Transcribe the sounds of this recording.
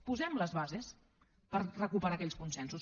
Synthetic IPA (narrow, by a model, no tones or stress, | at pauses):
puzɛmləzβazes | pəɾrəkupəɾakɛʎskunsɛnsus